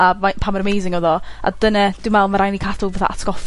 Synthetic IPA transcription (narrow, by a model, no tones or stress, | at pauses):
amapʰamaɾəmejzɪŋoðɔa̰d̥ənɛd̥ɪmɛlˠmaɾajnikʰadʊlˠvɛθa̰ʔa̰tʰɡ̥ɔf